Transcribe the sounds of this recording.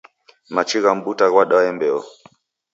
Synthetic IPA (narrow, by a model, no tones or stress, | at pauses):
mat͡ʃiɣam̩butaɣwaɗaɛmbɛɔ̰